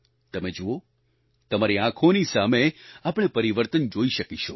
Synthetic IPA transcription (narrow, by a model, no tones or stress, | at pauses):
t̪əmed͡ʒuo | t̪əmaɾiãkʰonisameapəɳ̃epəɾiʋəɾt̪ənd͡ʒoiʃəkiʃʰo